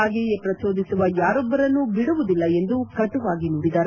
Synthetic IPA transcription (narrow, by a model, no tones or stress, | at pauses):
ɡɛjepɾɐt̪oːd̪isuʋɐjaːɾɔbːɐɾɐnːubiɽuʋud̪ilːɐe̞nd̪ukɐt̪uʋaːɡinuːɽid̪aːɾ